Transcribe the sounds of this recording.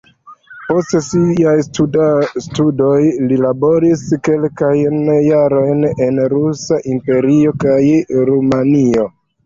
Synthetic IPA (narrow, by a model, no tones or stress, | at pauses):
po̞stsiaj | studo̞jlilabo̞ɾiske̞lkajnːaɾo̞jnenɾusaʔimpe̞ɾio̞kajɾumanio̞